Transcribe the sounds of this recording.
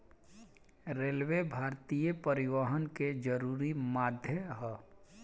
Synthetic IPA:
ɾeːlwebʱaːɾt̪ijəpəɾɪʋəɦənked͡ʒəɾuːɾimaːd̪ʱjəɦɛ

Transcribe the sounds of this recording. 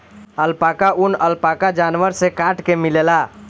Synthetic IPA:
əlpakaʔunəlpakad͡ʒanʋəɾsekaʈkemilela

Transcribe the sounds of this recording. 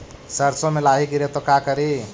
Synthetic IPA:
səɾsomelaɦiɡiɾet̪ɔkakəɾi

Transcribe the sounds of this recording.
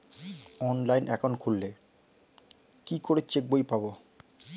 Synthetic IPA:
ɔnlajnʔɛ̰kʰonkʰulːe | kikoɾet͡ɕek̚bojpabo

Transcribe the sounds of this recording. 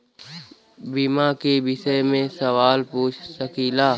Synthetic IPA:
bimakebɪʃəjmẽsəʋaːlpuːt͡ʃʰsəkiːlaː

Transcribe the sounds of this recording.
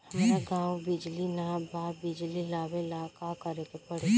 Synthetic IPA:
hɐmaːɾaɡãːwbɪd͡ʒlinabaːbɪd͡ʒlilaːbelaːkaːkəɾekepəɽe

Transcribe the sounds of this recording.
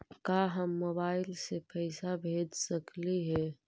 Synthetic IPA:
kaːɦəmːoːbaːɪlsepʰəɪsabʱeːd͡ʒsəkliɦɛː

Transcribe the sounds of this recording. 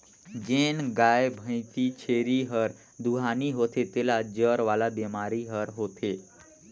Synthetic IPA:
d͡ʒeːnɡaːebʱə̃ɪ̃t̪it͡ʃʰeːɾiɦəɾ | d̪uɦaːniɦot̪ʰet̪elad͡ʒəɾʋaːlabemaːɾiɦəɾɦoːt̪ʰe

